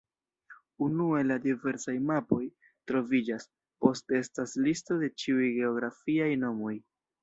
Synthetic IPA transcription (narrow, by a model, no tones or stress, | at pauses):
unue̞ladive̞ɾsajmapo̞j | tɾo̞vid͡ʒas | po̞stee̞staslisto̞de̞t͡ʃiujɡe̞o̞ɡɾafiajno̞mo̞j